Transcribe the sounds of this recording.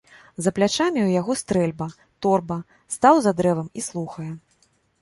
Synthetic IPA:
zɐplʲat͡ʂamʲiwjaɣɔst̪ɾɛlʲbɐ | t̪ɔrbɐ | st̪awzad̪ɾɛvɐmislˠuxɐjɛ

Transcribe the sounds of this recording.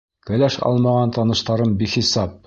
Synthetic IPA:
kɘ̆læʃɑ̰lˠmɑʁɑnt̪ɑnɤ̆ʃt̪ɑɾɤmbiχisɑp̚

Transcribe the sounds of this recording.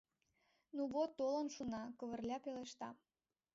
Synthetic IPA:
nuβot̪ːolə̆nʃunɑkɤ̆βə̆rlʲɑpeleʃt̪ɑ

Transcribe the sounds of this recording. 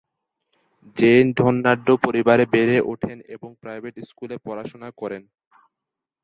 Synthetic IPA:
d͡ʑenɖʱɔnːaɖːopoɾibaɾebeɾeʔoʈʰenḛboŋpɾajbʱeʈiskulepɔɾaʃonakɔɾen

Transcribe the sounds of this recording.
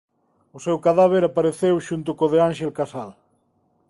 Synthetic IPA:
osewkaðaβ̞eɾapaɾeθewʃunt̪ʊkoðeanʃelkasal

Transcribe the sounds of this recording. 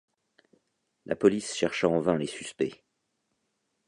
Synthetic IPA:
lʔa̰pɔlisʃɛʁʃaɑ̃vɛ̃lesy̥spɛ

